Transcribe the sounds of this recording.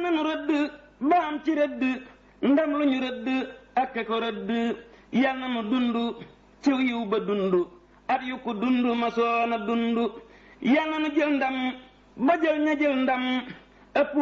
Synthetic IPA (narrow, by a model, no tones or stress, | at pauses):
nanuɾadɨ | baamt͡ʃiɾedɨ | n̩damluɲuɾedːɨakekoɾadɨjalnanudundu | t͡ʃewjiubadundu | atjukːudundumasɔnadundu | jalnanud͡ʒeln̩dam | bad͡ʒelɲad͡ʒeln̩dam | apu